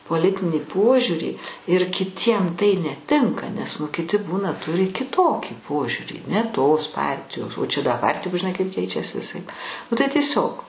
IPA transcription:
poːˈlʲɪtʲɪnʲiː ˈpoːʒʲuːrʲiː ɪr kʲɪˈtʲiɛm tɐɪ nʲɛˈtʲɪŋkɐ nʲɛs ˈnʊ kʲɪˈtʲɪ ˈbuːnɐ ˈtʊrʲɪ kʲɪˈtoːkʲiː ˈpoːʒʲuːrʲiː nʲɛ toːs ˈpɐrʲtʲɪjoːs oː t͡ʃʲɛ dɐ ˈpɐrʲtʲɪjoːm ʒʲɪˈnɐɪ kɐɪp ˈkʲɛɪt͡ʃʲɛs ʋʲɪˈsɐɪp nʊ tɐɪ tʲiɛˈsʲoːk

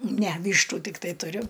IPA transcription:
nʲɛ ˈʋʲiːʃtʊ tʲɪkˈtɐɪ tʊˈrʲʊ

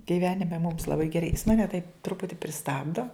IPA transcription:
ɡʲɪˈʋʲæːnʲɪmʲɛ mʊms lˠɐˈbɐɪ ɡʲɛˈrɐɪ jɪs mɐˈnʲɛ tɐɪp ˈtrʊpʊtʲɪ pʲrʲɪˈstɑːbdoː

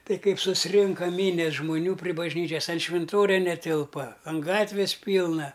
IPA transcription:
ˈtɐɪ ˈkɐɪp sʊsʲˈrʲɪŋkɐ ˈmʲiːnʲɛs ʒmoːˈnʲuː pʲrʲɪ bɐʒʲˈnʲiːt͡ʃʲɛs ɐn ʃʲʋʲɪnˈtoːrʲɛ nʲɛˈtʲɪlˠpɐ ɐn ˈɡɑːtʲʋʲɪs ˈpʲiːlˠnɐ

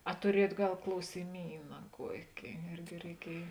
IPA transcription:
ɐ tʊˈrʲiɛjuɔt ˈɡɐlˠ klˠɐʊsʲɪˈmʲiːnɐ ˈkuɔkʲɪ ˈɪrʲɡʲɪ rʲɛɪˈkʲiɛj

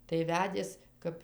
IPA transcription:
tɐɪ ˈʋʲæːdʲeːs ˈkɐp

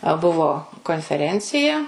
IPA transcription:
ɐ ˈbʊʋoː koːnʲfʲɛˈrʲɛnʲt͡sʲɪjɛ

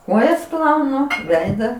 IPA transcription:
ˈkoːjɛs ˈplˠɐʊnʊ ˈʋʲɛɪdɐ

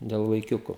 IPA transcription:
dʲɛlˠ ʋɐɪˈkʲʊkʊ

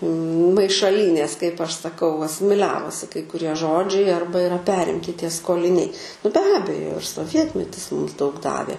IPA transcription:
mɐɪʃɐˈlʲiːnʲeːs kɐɪp ˈɐʃ sɐˈkɐʊ ɐsʲɪmʲɪˈlʲæːʋoːsʲɪ kɐɪ kʊˈrʲiɛ ˈʒoːd͡ʒʲɛɪ ˈɐrbɐ ɪˈrɐ ˈpʲæːrʲɪmʲtʲɪ ˈtʲiɛ skoːlʲɪˈnʲɛɪ nʊ bʲɛ ˈɑːbʲɛjoː ɪr soːˈʋʲiɛtʲmʲɛtʲɪs ˈmʊms dɐʊk ˈdɑːʋʲeː

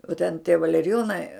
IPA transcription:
oː tʲɛn tʲiɛ ʋɐlʲɛrʲɪˈjoːnɐɪ

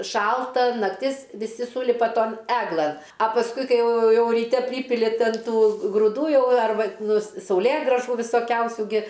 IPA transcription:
ˈʃɐlˠtɐ nɐkˈtʲɪs ʋʲɪˈsʲɪ ˈsuːlʲɪpɐ ˈtoːn ˈæːɡlˠɘn ɐ pɐsˈkʊɪ ˈkɐɪ ˈjɛʊ ˈjɛʊ rʲiːˈtʲɛ ˈpʲrʲiːpʲɪlʲɪ ˈtʲɪn ˈtuː ɡrʊˈduː ˈjɛʊ ɐrˈbɐ nʊ s sɐʊˈlʲeːɡrɑːʒuː ʋʲɪsoːˈkʲɛʊsʲuː ɡʲɪ

